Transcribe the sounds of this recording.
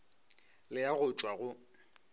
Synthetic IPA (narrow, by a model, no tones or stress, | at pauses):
lɪjaɣʊt͡ʃʼwaɣʊ